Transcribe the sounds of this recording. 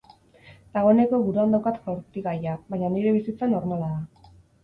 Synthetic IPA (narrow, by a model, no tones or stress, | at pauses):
d̪̥aɣ̞o̞ne̞ko̞βuɾuand̪awkat̪kawɾt̪iɣajaβajɲaniɾe̞βisit͡sano̞ɾmalaða